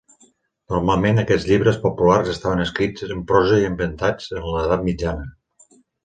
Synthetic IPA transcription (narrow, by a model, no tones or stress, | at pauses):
nuɾmalˠmenəkɛd͡zʎiβɾəspopularzəst̪aβənəskɾid͡zəmpɾɔzəiəmbənt̪ad͡zənləðat̪̚mid͡ʒanə